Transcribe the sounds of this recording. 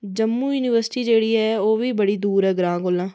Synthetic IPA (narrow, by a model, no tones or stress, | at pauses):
d͡ʒəmːũːjuːniːʋəɾsʈiːd͡ʒeːɽiːɦɛːoːʋiːbəɽiːd̪uːɾɦɛːɡɾãːkolãː